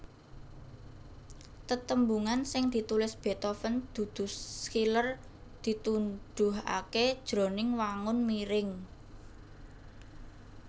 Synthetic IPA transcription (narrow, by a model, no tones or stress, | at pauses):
t̪ət̪əmbuŋansɪŋd̪̥i̤t̪ulɪsb̥e̤t̪ofənd̪̥ṳd̪̥ʊ̤skilər | d̪̥i̤t̪unɖ̥ʊɦa̰ked̥ʒ̥ɾo̤nɪŋwaŋʊnmiɾɪŋ